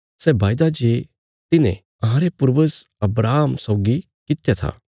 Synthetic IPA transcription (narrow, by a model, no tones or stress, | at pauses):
sɛːbaːjd̪ad͡ʒeː | t̪ɪnḛ̃ | ɐɦãːɾepʊɾʋəsɐbɾaːɦəmsɔʊɡi | kɪt̪jat̪ʰa̰ː